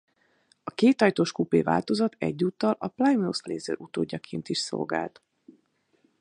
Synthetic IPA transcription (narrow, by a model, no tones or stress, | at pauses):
ɒkeːt̪ɒjt̪oːʃkupḛːva̰ːlt̪o̞zɒt̪ɛɟːuːt̪ːɒlɒplajmnusleːzø̰ːɾʔut̪oːɟːɒkʰeːnt̪iʃso̰lɡaːlt̪